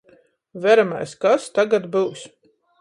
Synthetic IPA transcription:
væɾama̰jskast̪aɡat̪bɨwsʲ

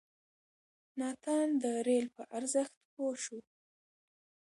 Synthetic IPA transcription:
nɑt̪ʰɑnd̪əɾelpəʔaɾzəxt̪poʃu

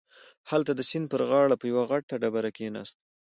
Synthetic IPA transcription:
halt̪ad̪əsɪnd̪̚pəɾɣɑɽapəjawaɣaʈːaɖabaɾakenɑ̰st̪̚

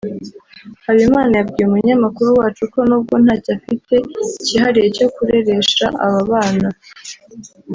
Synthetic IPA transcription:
haβimaːnajabɡiːɾumuɲamakuɾuwaːt͡ʃuko̞nub̚ɡo̞n̥haːcafite̞iciɦaɾije̞co̞kuɾe̞ɾe̞ʃaʔaβaβaːna

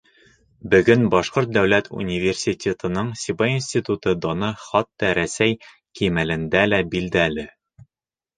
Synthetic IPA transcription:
bɵ̆ɡɵnbɒʃqoɾt̪̚d̪æwlæt̪ʰṵnʲivʲersʲitʲet̪ɤ̆nɤɴsʲibɑjinsʲt̪ʲit̪ut̪ɤd̪ɒnɤχɒt̪ːɒɾæsæj | kimælɘ̆nd̪ælæbild̪ælɘ

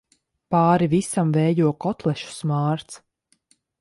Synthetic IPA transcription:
paːɾivisamvɛːjuɔkɔt̪lˠɛʃu̥smaːɾt̪s

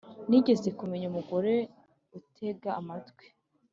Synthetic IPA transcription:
niɟe̞ze̞kumeɲumuɡo̞ɾe̞ | utʰe̞ɡaamatkwe̥

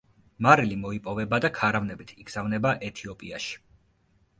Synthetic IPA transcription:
maɾilimɔipʼɔvɛbad̪akʰaɾavnɛbit̪ʰiɡz̥avnɛbaʔɛt̪ʰiɔpʼiaʃi̥

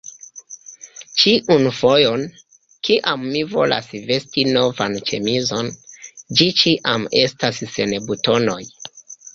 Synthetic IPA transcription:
t͡ʃiʔunfo̞jo̞n | kiʔamːivo̞̰lʔa̰sve̞stino̞vant͡ʃe̞̰mizond͡ʒit͡ʃiʔame̞stasse̞nbuto̞no̞j

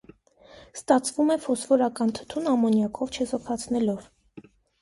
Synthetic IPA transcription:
st̪ɑt͡sʰvumɛfɔsvɔɾɑkɑnt̪ʰə̥t̪ʰunɑmɔnjɑkʰɔvt͡ʃʰɛzɔkʰɑt͡sʰnɛlɔv

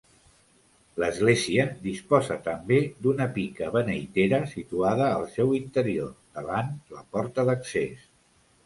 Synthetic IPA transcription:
ləzɣleziəd̪ispɔzət̪əmbed̪unəpikəβənəjt̪eɾəsit̪uaðəːlˠsɛwint̪əɾiod̪əβanləpɔɾt̪əðəkses

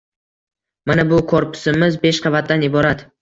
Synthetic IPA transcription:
manabʊkʰoɾpʰɪ̥sɪmɪzbe̞ʃqʰɑvat̪̚d̪anɪbɒɾat̪

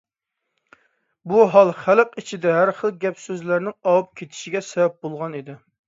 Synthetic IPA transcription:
buɦɑlˠχæləqit͡ʃʰid̪ɛɦæɾχəlˠɡʲɛpsøzlæɾnɪŋɑwup̚kʲʰet̪ʰɪ̥ʃiɡʲɛsɛvɛp̚bolˠʁɑnid̪ɪ

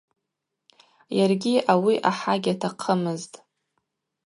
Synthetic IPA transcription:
jarɡʲiʔawiʔaħaɡʲatʰaqʰəmɨztʼ

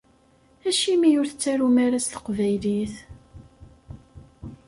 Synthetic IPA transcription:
æʃimijʊɾθət͡sːæɾumaɾast̪ə̥qvæjliθ

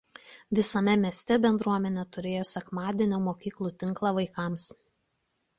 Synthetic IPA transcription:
ʋʲɪsɐmʲɛmʲiɛsʲt̪ʲɛbʲɛnd̪ɾuɔmʲɛnʲɛt̪ʊɾʲeːjoːsʲɛkmɑːd̪ʲiɛnʲoːmoːkʲiːklˠuːˑt̪ʲɪŋˑklˠɑʋɐɪkɑˑms

